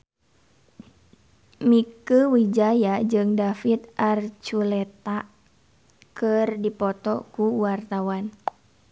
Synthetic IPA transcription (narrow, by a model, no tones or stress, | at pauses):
mikəwid͡ʒajad͡ʒɨŋdafit̪̚ʔart͡ʃulɛt̪aʔ | kɨrdipɔt̪ɔkuwart̪awan